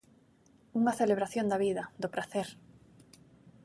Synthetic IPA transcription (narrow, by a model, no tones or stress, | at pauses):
uŋaθeleβɾaθjo̞nd̪aβiðad̪opɾaθeɾ